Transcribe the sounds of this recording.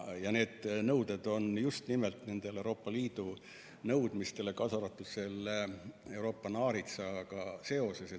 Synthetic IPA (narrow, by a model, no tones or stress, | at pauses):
jɑne̞ːd̪̥nɤwd̪̥e̞d̪̥o̞njust̪nimelt̪ne̞nd̪̥e̞lewɾo̞ːpːɑliːd̪̥u | nɤwd̪̥mist̪e̞le̞kɑsɑɾɑt̪ːˑud̪̥se̞lːee̞wɾo̞ːpːɑnɑːɾit̪sɑɡ̥ɑse̞o̞sese